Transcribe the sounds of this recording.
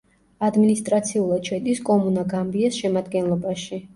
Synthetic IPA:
ad̪minist̪ʼɾat̪sʰiulˠat͡ʃʰwɛt̪ʼiskʼɔmunaɡambiasʃɛmad̪ɡɛnlˠɔbaʃi

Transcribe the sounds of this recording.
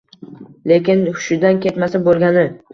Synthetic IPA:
le̞kʲɪnʊ̥ʃɪd̪ankʲʰe̞t̪masabolˠɡʲanɪ

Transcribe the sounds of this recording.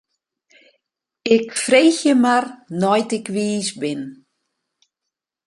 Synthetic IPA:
ɪkfreːxjəmarnɔjtɪkʋiːsbɪn

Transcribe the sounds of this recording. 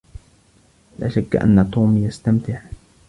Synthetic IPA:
la̰ːʃakːʔa̰nːat̪uːmijast̪amt̪ɪħ

